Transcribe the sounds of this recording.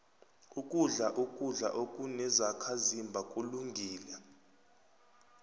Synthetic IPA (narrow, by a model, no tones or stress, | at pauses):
ukʼuɮaʔukʼuɮa̰ʔokʼunɛzakʰazimbʱakʼuluŋɡʱiːla